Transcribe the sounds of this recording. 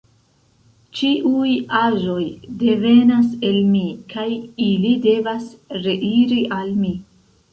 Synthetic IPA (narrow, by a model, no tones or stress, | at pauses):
t͡ʃiʔujaʒo̞jde̞ve̞nase̞lmikʰajilide̞vasɾe̞ʔiɾiʔalmi